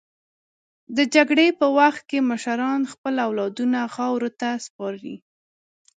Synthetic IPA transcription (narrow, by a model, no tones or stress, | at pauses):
d̪əd͡ʒaɡɽepəwaxt̪̚keməʃaɾɑnxpəlawlɑd̪unaxɑwɾot̪aspɑɾɾḭ